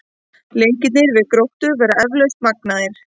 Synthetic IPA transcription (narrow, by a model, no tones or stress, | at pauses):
lejɲcɪt̪nɪɾvɪðkɾowht̪ʏvɛɾaɛvlœst̪mak̚naðɪɾ̥